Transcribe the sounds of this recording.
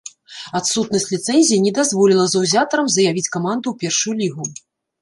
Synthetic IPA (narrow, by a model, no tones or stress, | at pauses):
at̪sut̪nɐsʲt͡sʲlʲit̪sɛnʲzʲijinʲɛd̪azvɔlʲilˠɐzɐwzʲat̪ɐɾɐmzɐjavʲit͡sʲkamand̪uwpʲɛrʂujulʲiɣu